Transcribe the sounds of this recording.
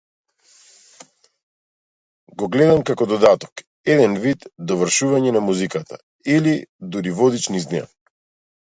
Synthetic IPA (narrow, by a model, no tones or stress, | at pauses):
ɡɔɡlɛd̪amkakɔd̪ɔd̪at̪ɔ̥k | ɛd̪ɛnvit̪d̪ɔvrʃuvaɲɛnamuzikat̪ʰa̰ | ilid̪uɾivɔd̪it͡ʃniza̰